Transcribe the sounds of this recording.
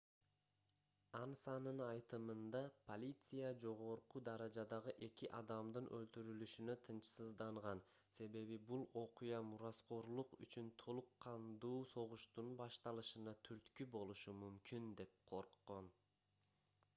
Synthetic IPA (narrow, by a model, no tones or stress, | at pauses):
ɑnsɑnɯnɑjt̪ɯmɯnd̪ɑpʰolʲit̪sɨjad͡ʒo̞ʁo̞ɾqud̪ɑɾɑd͡ʒɑd̪ɑʁɯʔe̞kʲiʔɑd̪ɑmd̪ɯnʔø̞lt̪yɾylyʃynøt̪ʰɯnt͡ʃsɯzd̪ɑɴʁɑn | se̞βe̞βibulˠo̞qujɑmuɾasqo̞ɾlˠuqy̰t͡ʃynt̪ʰo̞lˠuqːɑnd̪uːso̞ʁuʃt̪unbɑʃt̪ɑlˠɯʃɯnɑt̪ʰyɾt̪kybo̞lˠuʃumymkynd̪e̞p̚qʰo̞ɾqːo̞n